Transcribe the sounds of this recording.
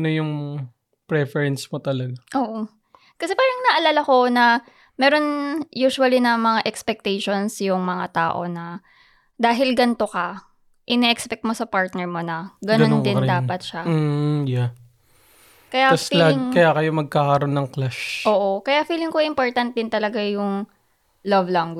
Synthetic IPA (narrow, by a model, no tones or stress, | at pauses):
nojʊŋ | pɾɛfɛɹɛnsmot̪ɐlɐɡaʔoːʔo | kɐsɛpaːɾɐŋnɐʔɐlaːlako̞nɐ | mɛːɾo̞njuːʃʊɐlinɐmɐŋaʔɛkspɛk̚t̪ɛjʃo̞nsjʊŋmɐŋat̪a̰ːʔo̞̰nɐ | d̪aːɦɪlɡɐnt̪o̞kɐ | ʔɪnɛʔɛkspɛk̚t̪̚mo̞sɐpaɹt̪nɛɹmo̞nɐɡɐnond̪ɪnd̪aːpɐt̪̚ʃaja | kɐjaslaɪŋkɐjakɐjomɐɡ̚kakɐɾonːɐŋklaʃʔoːʔo̞kɐjafiːlɪŋkojʔɪmpoɹt̪ɐnt̪̚d̪ɪnt̪ɐlɐɡajʊŋ | lɐvlɐŋɡ